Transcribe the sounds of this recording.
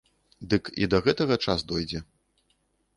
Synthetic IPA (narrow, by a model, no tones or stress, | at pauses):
d̪ɨkḭd̪ɐɣɛt̪ɐɣɐt͡ʂasd̪ɔjd͡zʲɛ